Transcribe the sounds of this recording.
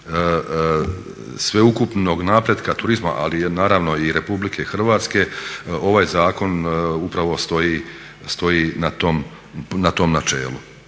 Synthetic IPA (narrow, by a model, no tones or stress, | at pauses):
sʋe̞ukupno̞ɡnaːpɾed̪kat̪uɾizma̰ʔa̰linaːɾaʋno̞iɾe̞publikʰe̞xr̩ʋaːt̪ske̞o̞ʋaːjzaːko̞nupɾaʋo̞st̪o̞ji | st̪o̞jiːnat̪om | nat̪o̞mnat͡ʃe̞̰ːlu